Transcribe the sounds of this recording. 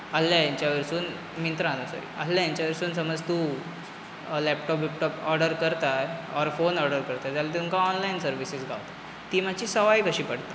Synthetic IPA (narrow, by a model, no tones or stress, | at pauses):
asːjajaɲt͡ɕjaʋiɾsuːn | mint̪ɾəaanəsə̰ɾḭə̰slːjajaɲt͡ɕjaʋiɾsuːnsəməd͡zt̪u | lɛpʈɔpʋipʈɔpɔɾɖəɾkəɾt̪aɔɾfonɔɾɖəɾkəɾt̪ad͡zalat̪iuŋkaɔnlainsəɾʋisisɡʱaʋt̪ḁ | t̪iːmat͡ɕiːsəʋajkəɕiːpəɽt̪ḁ